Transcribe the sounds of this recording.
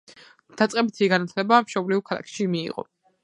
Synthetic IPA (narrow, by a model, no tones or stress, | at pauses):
d̪̥at̪sʼqʼɛbit̪ʰiɡanat̪ʰlɛbamʃɔbliukʰalˠa̰kʰʃimḭːʁʼɔ̰